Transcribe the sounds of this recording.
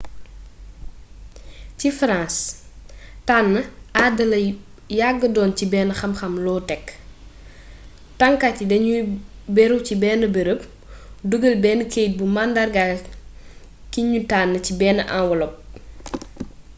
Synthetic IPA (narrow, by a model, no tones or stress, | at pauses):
cifɾãːs | taːnːɐʔadɐlɐ | jaɡːədɔːncibɛːnəxɐmxɐmlɔːtɛkː | tɐŋkacːidɐɲubɛɾuwcibɛːnəbeɾəp̚ | duɡəlbɛːnəkeːjt̚bumandɐrɡa | kiɲutaːnːəcibɛːnəʔã̰nwɔlɔp̚